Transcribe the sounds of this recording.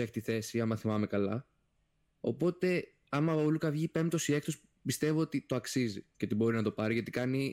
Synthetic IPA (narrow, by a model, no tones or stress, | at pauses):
eçi̥t̪iθe̞siɐmɐθimɐme̞kɐlɐ | o̞̰po̞t̪e̞ | ɐmɐolukɐvʝipe̞mt̪o̞sie̞k̚t̪os | pist̪e̞voot̪it̪oɐksizḭce̞t̪ibo̞ɾinɐt̪o̞pɐɾiʝɐt̪i̥kɐni